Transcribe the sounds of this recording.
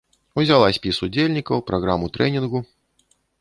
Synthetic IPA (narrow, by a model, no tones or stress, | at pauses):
uzʲalˠasʲpʲisud͡zʲelʲnʲikɐwpɾaɣɾamut̪ɾɛnʲinɣu